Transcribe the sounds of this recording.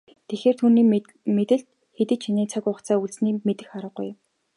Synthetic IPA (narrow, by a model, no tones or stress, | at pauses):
t̪ʰexeːr̥t̪ʰuːniː | met̪ɘ̆ɬt̪̚ | xet̪ɘ̆t͡ɕʰiniːt͡sʰakʊχt͡sʰaːuɮt͡ssniːmet̪ɘ̆xχaɾə̆χṵj